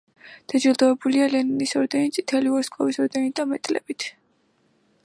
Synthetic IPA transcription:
d̪̥ad͡ʒilˠd̪ɔɛbulialɛninisɔɾd̪ɛnit̪sʼit̪ʰɛliɔskʼɔvisɔɾd̪ɛnid̪amɛt̪ʼlɛ̰bit̪ʰ

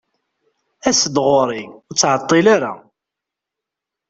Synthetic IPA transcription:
æsəd̪ʁoɾˤiʊt͡sːʕət̪ˤːilaɾa̰

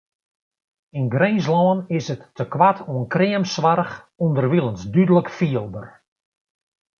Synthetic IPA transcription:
inɡrejs̬lɔːnɪsətːəkʋatʰoənkrɪəmsʋarx | undərʋilˠənsdydələkfiəlˠdər

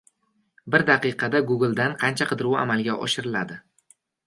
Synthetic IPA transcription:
bɪɾd̪aqɨqʰɑd̪aɡʊɡɪlˠd̪anqʰɑnt͡ʃʰaqʰɨd̪ɪɾuwa̰malɡʲaʔɒ̰ʃɪɾɪlad̪ɪ

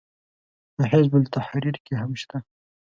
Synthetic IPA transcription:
pəɦɪzbʊlt̪aħɾiɾkeɦamʃt̪a

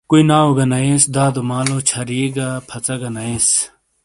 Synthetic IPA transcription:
kuinaːoɡɐnɐesd̪aːd̪umaːlot͡ɕʰɐɾiɡapʰɐt͡sɐɡɐnɐes

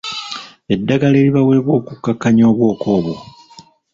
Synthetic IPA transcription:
e̞dːaɡale̞ːliβawe̞ːβwo̞ːkukːakːaɲo̞ːβwo̞ːkʰo̞ːβo

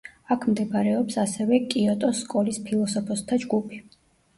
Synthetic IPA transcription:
akʰmd̪ɛbaɾɛɔpsasɛvɛkʼiɔt̪ʼɔskʼɔlispʰilˠɔsɔpʰɔst̪ʰad͡ʒɡupʰi̥

